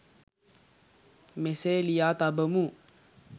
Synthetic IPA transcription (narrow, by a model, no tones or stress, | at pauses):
meselijat̪abəmu